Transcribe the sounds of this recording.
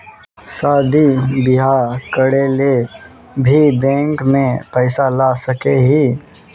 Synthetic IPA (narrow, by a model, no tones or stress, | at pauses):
saːd̪ʱibɪɦaːɾkəɽeːle | bʱibɛ̃ːŋkmẽpɛɪsalaːsəkeɦiː